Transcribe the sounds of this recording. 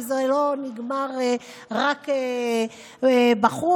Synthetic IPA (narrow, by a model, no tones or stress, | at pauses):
zeloniɡmaʁe | ʁake | ebaχu